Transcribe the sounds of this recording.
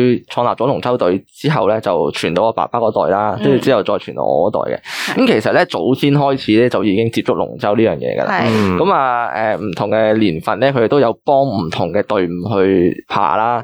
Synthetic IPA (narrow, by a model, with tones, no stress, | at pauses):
jt͡ʃʰɔː˧nlaː˨˩t͡ʃɔ˨˥lʊ˨˩ŋt͡sɐ˥wt̪ɵ˨˧ɥt͡siː˥ɦɐ˨wlɛ˥t͡sɐ˨wt͡ʃʰyː˨˩nt̪o˧wɔː˧pa̰ː˨˩paː˥kɔː˨˧˥t̪ɔ̰ː˨jlaː˥t̪o˥wji˧t͡siː˨˥ɐ˨wt͡sɔː˧jt͡ʃʰyː˨˩nt̪o̰˧˥ɔ̰ː˧kɔː˨˥t̪ɔ̰ː˨˩jkɛ̰˧kɐ˨˦mkʰe˨˩jsɐ˨t̚lɛ˥t͡so˨˥wsʰiː˥nɦɔː˥jt͡sʰiː˨˥lɛː˥t͡sɐ˨wjiː˨˧˥kɪ˥ŋt͡siː˧p̚t͡sʊ˥k̚lʊ̰˨˩ŋt͡sɐ˥wliː˥jœː˨˩ŋjɛ̰ː˧ɡɐ̰˧lʔa̰ː˧kɐ˨˧˥maː˨˧ɛː˨˩m̩˨˩t̪ʰʊ˨˩ŋkɛː˧liː˨˩nfɐ˨nlɛː˥kʰɵ˧te˨˩t̪wjɐ˨˧wpɔː˥ŋm̩˨˩t̪ʰʊ˨˩ŋkɛː˧t̪ɵ˨˧ɥm̩˨˩ɦɵ˧ɥpʰa̰ː˨˩laː˥